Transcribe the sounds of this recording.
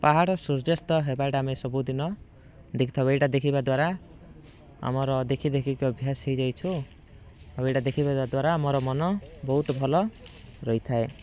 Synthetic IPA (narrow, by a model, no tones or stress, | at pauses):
paɦaɽɔsuɾd͡ʒest̪ɔɦebajʈaːmesɔbud̪inɔ | d̪ekʰi̥t̪ʰɔbejʈad̪ekʰibad̪waɾa | a̰mɔɾɔd̪ekʰid̪ekʰikiɔbʱjasɦejd͡ʒajt͡ʃʰu | bejʈad̪ekʰibaad̪waɾaːmɔɾɔmɔnɔbɔɦut̪ɔbʱɔlɔ | ɾɔit̪ʰae